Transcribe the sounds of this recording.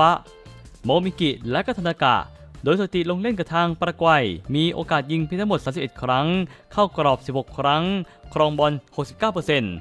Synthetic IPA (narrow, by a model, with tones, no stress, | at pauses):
a˦˥ | moː˧miː˧ki˨˩lɛ˦˥ʔkɔ˥˩t̪ʰnːaː˧ka̰ː˨˩t | d̪oː˧jsaː˨˧˩t̪i˨˩lo˧ŋle˥˩nka˨˩t̪ʰaː˧ŋpɾa˧kwa˧˩jmiː˧ʔo̰ː˧kaː˨˩t̪̚ji˧ŋpʰi˧t̪ʰa˥mo˨˩t̪̚aː˨˦msi˨˩p̚ʔe˨˩kʰɾa˦˥ŋkʰaː˥˩wkɾɔː˨˩p̚si˨˩p̚ho˨˩kʰɾa˦˥ŋkʰɾɔː˧ŋbɔ˧nho˨˩k̚si˨˩p̚kːaː˥˩wp̬ɤː˧se˧n